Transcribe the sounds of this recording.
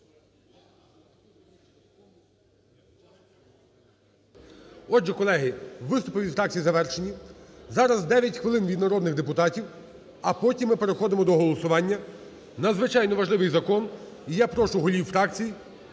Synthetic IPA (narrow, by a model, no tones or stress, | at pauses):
ɔd͡ʒɛkɔlˠɛɦɪʋɪst̪ʊpɪʋʲifɾɑk̚t͡sʲijizɐʋɛrʃenʲizɑɾɐzd̪ɛʋʲjɐtʲxʋɪlˠɪnʋʲid̪nɐɾɔd̪nɪɣd̪epʊt̪ɑtʲiw | ɐpɔtʲimːɪpeɾexɔd̪ɪmɔd̪ɔɦɔlˠɔsʊʋɑnʲːɐ | nɐd̪zʋɪt͡ʃɑjnɔʋɐʒlˠɪʋɪjzɐkɔn | ijapɾɔʃʊɦɔlʲiwfɾɑkt͡sʲiji